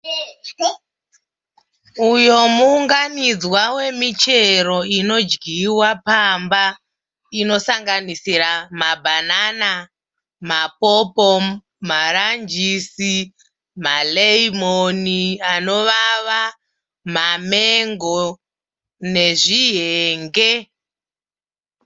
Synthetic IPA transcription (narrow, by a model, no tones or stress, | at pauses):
ujo̞muːŋɡanid͡zwawe̞mit͡ʃe̞ɾo̞ino̞d͡ʒɡʱiwapamba | ino̞saŋɡanisiɾamabʱanana | mapopo | maɾand͡ʒisi | maleimoniano̞ʋaʋa | mameŋɡo | ne̞ʐiɦeːŋɡe̞